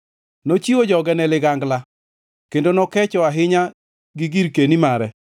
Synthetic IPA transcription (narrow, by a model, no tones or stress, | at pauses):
not͡ʃiod͡ʒɔɡɛnɛlɪɡaŋɡla | kendonɔkɛt͡ʃɔaɦɪɲa | ɡɪɡiɾkenimaɾɛ